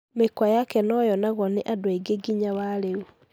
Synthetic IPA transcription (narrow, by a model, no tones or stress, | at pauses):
mekwajakɛnɔjɔnaɣɔneʔadweɡeɡiɲawaɾeu